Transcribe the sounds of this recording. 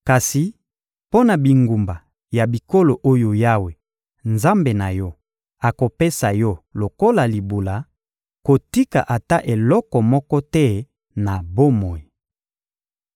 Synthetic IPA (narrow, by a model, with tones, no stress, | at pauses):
ka˨si˨ | po˦na˨bi˨ŋɡu˨mba˨ | ja˨bi˨ko˦lo˨ʔo˦jo˨ja˦we˨ | nza˦mbe˨na˨jɔ˦ | a˨ko˨pe˦sa˨jɔ˦lo˨ko˦la˨li˨bu˨la˨ | ko˨ti˦ka̰˨ʔa˨ta˦ʔe˨lɔ˦kɔ˨mɔ˦kɔ˦tɛ˦ | na˨bo˦mɔ˨i˨